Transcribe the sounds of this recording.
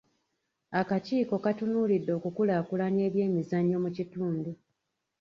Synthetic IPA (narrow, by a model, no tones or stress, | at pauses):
akaciːko̞katunuːlidːo̞ːkukulakulane̞ːβje̞ːmizaɲːo̞mucituːndu